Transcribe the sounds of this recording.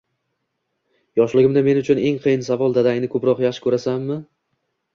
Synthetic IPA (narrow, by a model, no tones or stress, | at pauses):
jɒʃlɪɡʲɪmd̪ame̞nʊt͡ʃʰʊne̞ŋqʰɨjɪnsavɒlˠd̪ad̪aɡʲɪnɪkʰɵpɾɒqjaχʃɪkʰɵɾasamːɪ